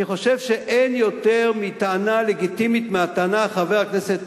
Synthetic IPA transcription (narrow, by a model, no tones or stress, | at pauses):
iχo̞ʃevʃeʔʔenjo̞teʁmit̪aanale̞ɡit̪imit̪meat̪aanaχaveakneset̪